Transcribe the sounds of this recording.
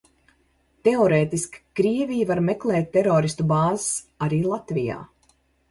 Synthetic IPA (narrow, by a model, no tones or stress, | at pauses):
t̪ɛɔɾeːt̪iskkɾiɛvijivaɾmeklˠɛːt̪̚ʲːeɾoːɾist̪ubaːzəs | aɾiːlˠat̪vija̰ː